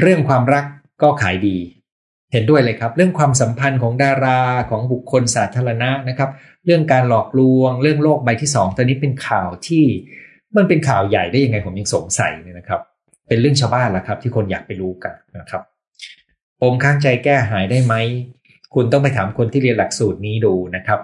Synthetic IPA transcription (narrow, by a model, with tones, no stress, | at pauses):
ɾɯ˥˩əŋkʰwaː˧mɾa˦˥kː | ɔː˥˩kʰaː˩˦jdiː˧ | he˩˦ndu˥˩əjlɤː˧jkʰa˦˥p̚ɾɯ˥˩əŋkʰwaː˧msa˩˦mpʰa˧nkʰɔː˩˦ŋdaː˧ɾaː˧kʰɔː˩˦ŋbu˨˩kʰːo˧nsaː˩˦˥t̪ʰːaː˧ɾa˧na˦˥ʔna˦˥kʰa˦˥p̚ | ɾɯ˥˩əŋkaː˧nlɔː˨˩k̚lu˧əŋɾɯ˥˩əŋloː˥˩k̚ba˧jt̪ʰiː˥˩sɔː˩˦ŋt̪ʰːniː˦˥pe˧nkʰaː˨˩wt̪ʰiː˥˩ | mɯ˧ŋpe˧nkʰaː˨˩wja˨˩jdaː˥˩ja˧ŋa˧jpʰo˩˦ja˧ŋso˩˦ŋsa̰˨˩˦jna˦˥kʰa˦˥p̚ | pe˧nɾɯ˥˩əŋt͡ɕʰaː˧wbaː˥˩nla˨˩kʰa˦˥pt̪ʰiː˥˩kʰo˧nja̰ː˨˩k̚pa˧jɾuː˦˥ka˧˩nna˦˥˩kʰa˦˥p̚ | pʰːo˨˦mkʰaː˦˥˩ŋt͡ɕa˧jkɛː˥˩ɦaː˩˦jdaː˥˩jma˦˥j | kʰu˧nt̪ɔ˥˩ŋp̬a˧jt̪ʰaː˩˦mkʰo˧nt̪ʰiː˥˩i˧ənla˨˩k̚suː˨˩t̪̚niː˦˥duː˧na˦˥kʰa˦˥p̚